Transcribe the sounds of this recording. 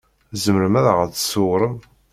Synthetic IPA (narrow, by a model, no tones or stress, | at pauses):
zəməɾəmæɾəʁəθsʊwɾˤəm